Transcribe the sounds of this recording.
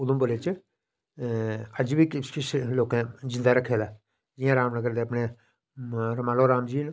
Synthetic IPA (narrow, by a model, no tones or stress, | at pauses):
ʊd̪ʊ̃mbəleːt͡ʃ | əd͡ʒbiːkɪskɪsloːkẽːd͡ʒɪ̃nd̪aːɾəkʰːeːd̪aː | d͡ʒɪjãːɾaːmnəɡəɾd̪eːəpneː | ɾəmaːloːɾaːmd͡ʒiːn